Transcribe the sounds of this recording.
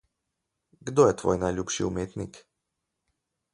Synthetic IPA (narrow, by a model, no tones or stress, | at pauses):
ɡd̪ojɛt̪ʋo̰jnajʎʲupʃḭumeːt̪nik